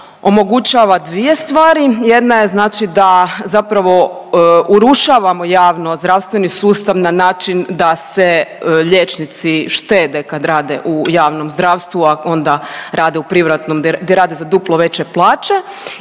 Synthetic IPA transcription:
o̞mo̞ɡut͡ʃaːʋad̪ʋije̞st̪ʋaːɾijed̪naje̞znaːt͡ʃid̪azapɾaʋo̞uɾuʃaːʋamo̞jaːʋno̞zd̪ɾaʋst̪ʋenisuːst̪aʋnanaːt͡ʃind̪aseʎeːt͡ʃnit̪siʃt̪eːd̪ekad̪ɾaːd̪ḛʔujaːʋno̞mzd̪ɾaːʋst̪ʋuao̞nd̪aɾaːd̪eupɾiʋɾat̪nomd̪d̪eɾaːd̪ezad̪uplˠoʋe̞t͡ɕeplˠaːt͡ʃe̞

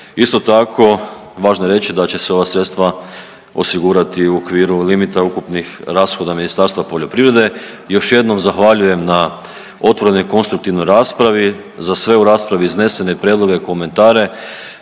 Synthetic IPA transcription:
ist̪o̞t̪akʰo̞ʋaːʒnojeɾe̞t͡ɕid̪at͡ɕe̞seo̞ʋasɾe̞t̪st̪ʋa | o̞siɡuɾat̪iuokʋiːɾulimit̪aukupnixɾaːsxo̞d̪aminist̪aɾst̪ʋapo̞ʎo̞pɾiʋɾe̞d̪e̞ | jo̞ʃje̞d̪no̞mzaxʋaʎuje̞mna | o̞t̪ʋo̞ɾe̞no̞jko̞nst̪ɾuk̚t̪iʋno̞jɾaːspɾaʋi | zasʋe̞uɾaːspɾaʋiizne̞se̞ne̞pɾʲjed̪lˠo̞ɡe̞iko̞me̞nt̪aːɾe̞

